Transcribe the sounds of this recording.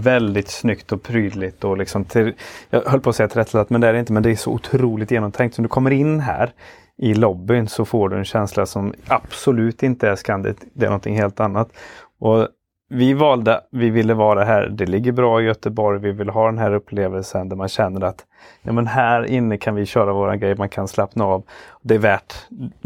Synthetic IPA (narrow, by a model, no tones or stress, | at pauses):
vɛld̪ɪt̪snʏkt̪ɔpʰɾyːd̪lɪt̪ɔlɪksɔmt̪ʰɪljɑ̰ɦœlːpʰoːsɛjːat̪ʰɪɾɛt̪lat̪mɛnd̪ɛæɾɖɛɪnt̪əmɛnd̪ɛæʂɔ̰ʊ̰t̪ʰɾuːlɪt̪jeːnɔmt̪ʰɛŋkt̪sɔmd̪ɵkʰɔmːəɾɪnːɦæ̰ːɾ | ʔɪlɔbːɪnsɔfoːɖɵɛnɕɛnslasɔmapsɔlʉ̟ːt̪ɪnt̪əæʂkand̪ɪ̰t̪d̪ɛæ̰ɾnɔnt̪ʰɪŋɦeːlt̪anːat̪ʔɔ | vɪvɑːld̪əvɪvɪlːəvɑːɾaɦæ̰ːɾd̪ɛlɪɡːəɾbɾɑːɪjœt̪əbɔɾjvɪvɪlɦɑːd̪ɛnɦæːɾɵpʰːleːvəlsənd̪æɾmanɕɛnːəɾat̪ | jɑ̰ːmənɦæːɾɪnːəkʰanvɪɕœːɾavoːɾa̰nɡɾɛjmankʰanslɛpnaːvɔd̪ɛæɾvæːʈ